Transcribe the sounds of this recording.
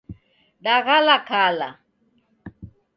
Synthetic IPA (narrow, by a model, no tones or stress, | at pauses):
ɗaɣalakʰala̰